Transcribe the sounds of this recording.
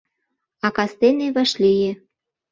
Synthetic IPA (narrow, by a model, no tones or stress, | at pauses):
ɑkɑst̪eneβɑʃlijĕ